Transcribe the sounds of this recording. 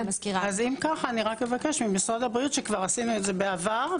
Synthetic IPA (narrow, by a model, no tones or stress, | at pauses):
skiʁazimkaχaːniʁakme̞vake̞ʃmimisʁadabʁijut̪ʃekvaʁasinuetzebe̞avaʁ